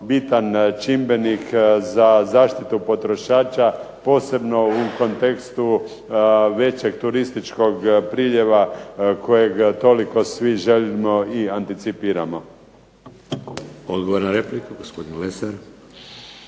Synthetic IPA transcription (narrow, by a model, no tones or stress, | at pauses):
bit̪ant͡ʃimbe̞nikzazaːʃt̪it̪upo̞t̪ɾo̞ʃaːt͡ʃapo̞ːse̞bno̞uko̞nt̪e̞kst̪u | ʋe̞t͡ɕe̞ɡ̚t̪uɾist̪it͡ʃko̞ɡpɾiːʎe̞ʋakʰo̞jeɡt̪o̞liko̞sʋiʒe̞limo̞iant̪it̪sipiːɾamo | od̪ɡoʋoɾnaɾeplikuɡospod̪inuleseɾ